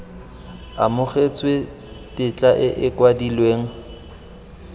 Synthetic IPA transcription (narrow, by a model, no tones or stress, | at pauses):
a̰mʊχet͡sʰwe | tʼɪt͡ɬʼaʔɪʔɪkwadilweːŋ̩